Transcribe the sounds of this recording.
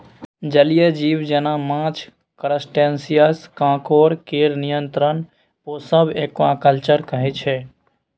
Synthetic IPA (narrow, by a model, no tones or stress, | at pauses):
d͡ʒəlijed͡ʒiːʋd͡ʒenamãːt͡ʃ | kəɾəsʈẽnsijəskãːkoːɾkeɾnijənt̪ɾən | posəbʱeːkːoãkəlt͡ʃəɾkəɦɛt͡ʃʰɛː